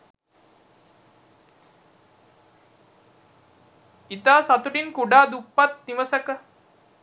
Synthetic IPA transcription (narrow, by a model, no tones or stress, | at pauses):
it̪aːsat̪uɖinkuɖaːd̪upːat̪niʋəsəkə